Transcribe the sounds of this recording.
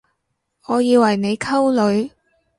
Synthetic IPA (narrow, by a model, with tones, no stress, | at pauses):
ŋɔː˨˧jiː˧wɐ˨˩jne˨˧jkʰɐ˥wlɵ˨˧ɥ